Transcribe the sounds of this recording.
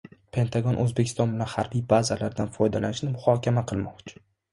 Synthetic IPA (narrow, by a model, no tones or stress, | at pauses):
pʰe̞nt̪ʰaɡɒnʔɵzbekʲʰɪst̪ɒnbɪlanhaɾbijbazalaɾd̪anfɒjd̪alanɪʃnɪmʊhɒkʲamaqʰɨlˠmɒqt͡ʃʰʊ̥